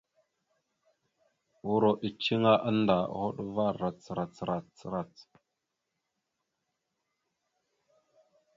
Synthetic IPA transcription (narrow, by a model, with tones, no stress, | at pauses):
u˨ɾo˨ʔi˨t͡ʃi˦ŋa˦ʔa˦nda̰˨ho˦ɗva˦˨ɾa˨t͡sə˨ɾa˨t͡sɾa˨t͡sə˨ɾa˨t͡s